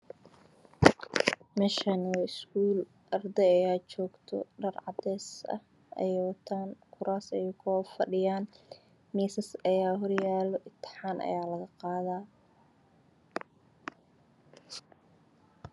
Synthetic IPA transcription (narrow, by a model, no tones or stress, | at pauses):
mɛːʃɐnwːɪskuːl | ʔɐrd̪ɛɐjaːt͡ʃɔːɡt̪ʰɔ̰ɖɐrʕɑd̪ɛːsɐ̰h | ʔɐ̰jɐt̪ʰankʰʊɾaːsɛjkʰɔfɐ̰ɖɪjaːn | miːsɐsɐjaːɦɔrjaːlɔʔɪt̪ʰɪ̥ħaːnʔɐ̰jaːlɐɣɐqɑːðaː